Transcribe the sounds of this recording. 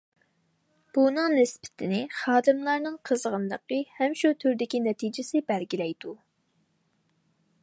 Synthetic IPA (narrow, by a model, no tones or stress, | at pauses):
b̥unɨŋnɪspɪ̥t̪ʰɪnɪχɑːd̪ɨmlˠɑɾnɨŋqʰəzʁənlˠəqəhɛmʃut̪ʰyɾd̪ɪkʲinɛt̪ʰid͡ʒɪsɪbɛlɡʲilɛjd̪̥u